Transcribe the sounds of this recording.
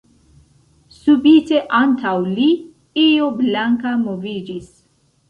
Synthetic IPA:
subite̞ʔantawli | ioblaŋkamovid͡ʒis

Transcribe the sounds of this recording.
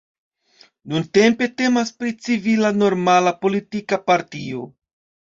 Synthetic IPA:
nunte̞mpe̞te̞maspɾit͡sivilano̞ɾmalapo̞litikapaɾtio̞̰

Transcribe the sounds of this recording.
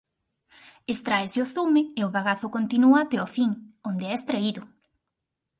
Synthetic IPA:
est̪ɾaesɪoθumɪeoβaɣaθʊkont̪inuat̪eofiŋond̪eɛest̪ɾeiðʊ

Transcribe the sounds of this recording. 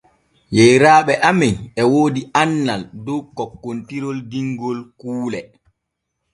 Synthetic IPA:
jɛjɾaːɓɛʔamɛjɛwoːdianːaldɔwkːɔkːontiɾɔldiŋɡɔlkuːlɛ

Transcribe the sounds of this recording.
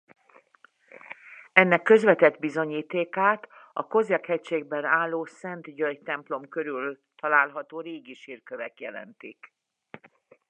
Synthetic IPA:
ɛnːɛkːø̞zʋɛt̪ɛd̪bizo̞ɲiːt̪eːkaːt̪ɒ̰ko̞zɛkhɛcʃeːɡ̚bɛnaːlːoːsɛnt̪ɟøjt̪ɛmplo̞mkøɾyl | t̪ɒlaːlɦɒt̪oːɾeːɡiʃirkøvɛkjɛlɛ̰nt̪ik

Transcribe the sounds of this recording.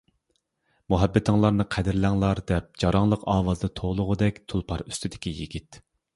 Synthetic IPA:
muɦɛbːɪt̪ʰɨŋlˠɑɾnɨqʰɛd̪ɪɾlæŋlˠɑɾd̪ɛp̚d͡ʒɑɾɑŋlˠəqɑːwɑzd̪ɨt̪ʰolˠʊʁʊd̪ɛkʲt̪ʰulˠpʰɑɾy̥st̪ʰyd̪ɪkʲijḭɡʲit̪

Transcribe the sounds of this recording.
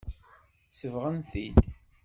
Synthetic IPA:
səvʁənθid̪

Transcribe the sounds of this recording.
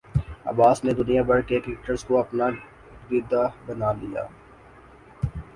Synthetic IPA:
ɐ̰baːsned̪ʊnijabɐɽkeklɪk̚ʈəɾskoɐpna | d̪id̪abɐnalija̰ː

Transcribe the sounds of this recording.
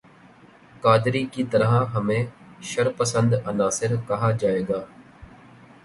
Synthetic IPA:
kaːd̪ɾiːkiːt̪əɾãːɦəmẽː | ʃəɾpəsə̃nd̪ənaːsɪɾkəɦaːd͡ʒaːeːɡaː

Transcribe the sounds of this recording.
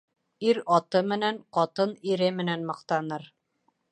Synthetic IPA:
iɾɑt̪ɤmɘ̆næɴqɑt̪ɤniɾɘmɘ̆nænmɤ̆qt̪ɑnɤɾ

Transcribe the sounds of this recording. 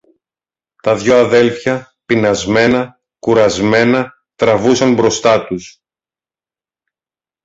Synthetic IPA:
t̪ɐðʝo̞ɐðe̞lfçɐ | pinɐzme̞nɐ | kuɾɐzme̞nɐ | t̪ɾɐvusɐnbɾo̞st̪ɐt̪us

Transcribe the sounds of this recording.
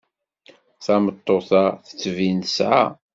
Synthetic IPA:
θæmət̪ˤːoθaθə̥t͡sːvint̪əsʕa̰

